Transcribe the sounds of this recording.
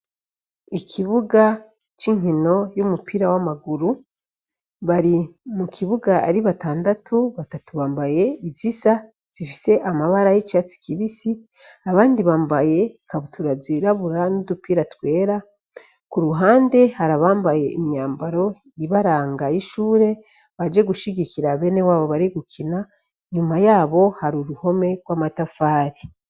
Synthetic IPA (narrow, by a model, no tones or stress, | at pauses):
ikʰiβuɡa | t͡ʃiŋino̞jumupʰiɾawamaɡuɾu | βaɾimukʰiβuɡaa̰ɾiβataːndatʰuβatatuβaːmbaje̞izisa | z̥ifise̞ʔamaβaɾajit͡ʃaːt͡si̥kiβisi | aβaːndiβaːmbaje̞kaβutʰuɾaziɾaβuɾanudupiːɾatwe̞ːɾa | kuɾuɦaːndehaɾaβaːmbaje̞ʔimɲaːmbaɾo̞ | iβaɾaːŋɡajiʃuːɾe̞ | βad͡ʒe̞ɡuʃiɟikiɾaβe̞ːne̞waːβo̞βaɾiɡukʰina | ɲumajaːβo̞haɾuɾuho̞me̞ɡwaːmatafaːɾi